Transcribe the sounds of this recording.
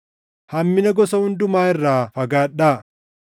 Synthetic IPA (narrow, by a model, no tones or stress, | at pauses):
hɐmːɪnɐɡɔsɐhʊnd̪ʊmaːɪrːaːfɐɡaːᶑːaː